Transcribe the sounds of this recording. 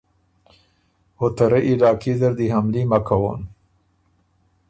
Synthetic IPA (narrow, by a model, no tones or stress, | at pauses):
hot̪aɾeʔilɑkʰid̪əɾd̪iɦamlimakʰawo̰n